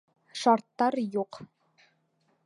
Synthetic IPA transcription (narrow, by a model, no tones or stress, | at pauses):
ʃɑɾt̪ːɑɾjuq